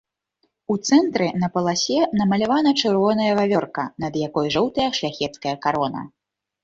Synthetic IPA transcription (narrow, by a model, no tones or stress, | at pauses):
ut̪sɛnt̪ɾɛn̪ɐpɐlˠasʲɛnɐmɐlʲavanɐt͡ʂɨrvɔnɐjɐvavʲɔrkɐnɐd̪jakɔjʐɔwt̪ɐjɐʂlʲaxʲɛt̪skɐjɐkaɾɔnɐ̰